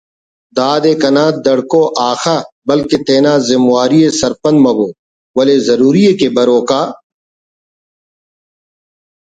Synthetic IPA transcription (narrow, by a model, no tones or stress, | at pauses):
d̪aːd̪eːkɐnaːd̪ɐɽkoʔaːxaː | bɐlket̪eːnaːzɪmwaːɾijesɐɾpɐ̃nmɐboː | wɐlezɐɾuːɾiekebɐɾoːkaː